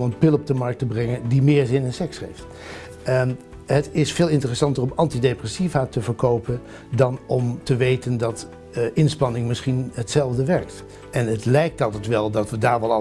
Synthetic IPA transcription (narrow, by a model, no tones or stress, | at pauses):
mənpɪlˠɔb̚dəmɑɹk̚təbrɛŋəndimɪːɹzɪnɪnsɛksχejft | ɦətɪsfeːlˠɪntərəsɑntərɔmɑntidejprɛsivaːtəvəɹkowpən | dɑnɔmtəʋejtəndɑt | ɪnspɑnɪŋmɪsχinɦətsɛlˠvdəʋɛɹkt | ɛnətlɛjk̚tɑlˠtɛtʋɛlˠdɑtʋədaːɹʋɑlˠɑ